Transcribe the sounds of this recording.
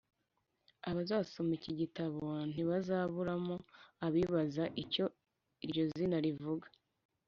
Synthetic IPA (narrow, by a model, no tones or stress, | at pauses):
aβazaːsomiciɟitaβo̞n̥iβazaβuɾamo̞aβiːβazaʔico̞ | iɾɟo̞zinaɾivuɡa